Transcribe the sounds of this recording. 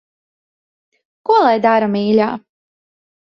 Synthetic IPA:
kuɔlˠajd̪aɾamiːlʲa̰ː

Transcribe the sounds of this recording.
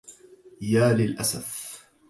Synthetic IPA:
jaːlɪlʔasaf

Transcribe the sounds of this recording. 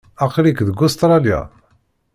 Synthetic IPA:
ɑqɾikðəɡust̪ɾˤɑlja̰

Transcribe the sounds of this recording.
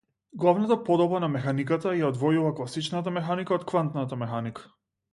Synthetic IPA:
ɡlˠavnat̪apɔd̪ɔbanamɛxanikat̪ajaɔd̪vɔjuvaklˠasit͡ʃnat̪̬amɛxanikaɔt̪kvant̪nat̪amɛxanikḁ

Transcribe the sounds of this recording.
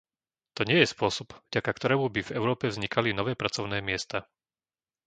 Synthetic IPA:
t̪ɔɲɪɛjɛspʊɔsɔbvɟakakt̪ɔɾɛːmubivɛʊɾɔːpɛvzɲikʰalinɔʋɛːpɾat͡sɔʊnɛːmɪɛst̪a

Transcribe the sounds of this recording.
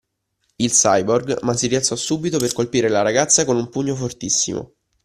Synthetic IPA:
ilsajborɡmasːirialt̪sɔsuːbit̪operkolpiːɾelaɾaɡat̪sːakonumpuɲːofort̪isːḭmo̰

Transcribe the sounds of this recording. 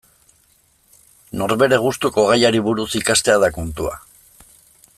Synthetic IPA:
no̞ɾβe̞ɾe̞ɣ̞ust̪uko̞ɣajaɾiβuɾusikast̪e̞að̞akunt̪ua̰

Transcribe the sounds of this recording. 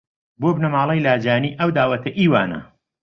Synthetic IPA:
boːbnɐmaːlˠɐjlaːd͡ʒaːniːʔɐwd̪aːwɐt̪ʰɐʔiːwaːnɐ̰

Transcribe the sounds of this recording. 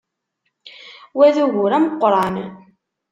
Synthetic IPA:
wæðuʝʊɾæməqːɾˤɑn

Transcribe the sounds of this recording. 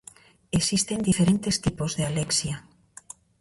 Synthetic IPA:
esist̪end̪ifeɾent̪est̪ipozðealeksja

